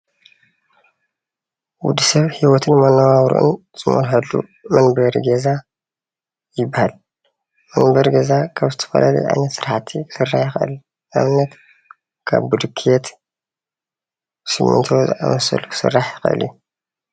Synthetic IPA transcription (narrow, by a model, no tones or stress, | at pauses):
wud̪isɐβhiwɔt̪ʰɨnmɐnawaβɾṵʔɨ̰nz̥ʼɨmo̰lħalːṵmɐnbɐɾɡeza | jɪbːahal | mɐnbɐɾɡezakʰaβzɨt̪ʰɐ̥fɐ̰lɐlṵjʕa̰jnɐt̪sɨɾħat̪ʰikʰɨ̥sɨrːaħjɪxʔɨ̰l | ʔa̰βnɐt̪ | kʰa̰βbud̪ɨkʰet̪ | sɨmːɨ̰nt̪ʰozɨʔa̰wɐsɐ̰lukɨ̥sɨ̰rːaħjɪxʔɨ̰lju